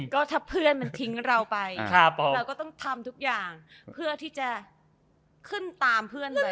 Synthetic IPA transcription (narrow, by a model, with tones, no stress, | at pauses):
kɔː˥˩t̪ʰaː˥˩pʰɯ˥˩ənma˧nt̪ʰi˦˥ŋɾa˧wpa˧jkʰa˥˩ɛː˧wkɔː˥˩t̪ɔ˥˩ŋt̪ʰa˧mt̪ʰu˦˥k̚jaː˨˩ŋpʰɯ˥˩ɐt̪ʰiː˥˩t͡ɕa˨˩ | kʰɯ˥˩nt̪aː˧mpʰɯ˥˩əna˧